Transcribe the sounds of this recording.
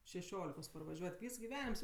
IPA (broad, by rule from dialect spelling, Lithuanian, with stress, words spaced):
ʃʲɛˈʃʲoːlʲɪkoːs pɐrʋɐˈʒʲuɔtʲ ˈʋʲiːs ɡʲɪˈʋʲæːnʲɪms